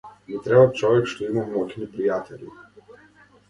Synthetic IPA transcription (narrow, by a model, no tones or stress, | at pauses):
mit̪ɾɛbat͡ʃɔvɛkʃt̪ɔimammɔkʲnipɾijat̪ʰɛlḭ